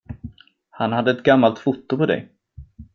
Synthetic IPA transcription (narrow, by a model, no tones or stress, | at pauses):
hanhad̪ːəɛt̪ɡamːalt̪fʊt̪ːʊpʰɔd̪ɛ̰j